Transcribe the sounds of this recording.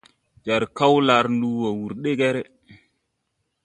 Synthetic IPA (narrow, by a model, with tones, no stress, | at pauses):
d͡ʒa˨ɾka˦wla˨˦ɾndu˦wo˨wu˨ɾɗe˦kɛ˦ɾe˦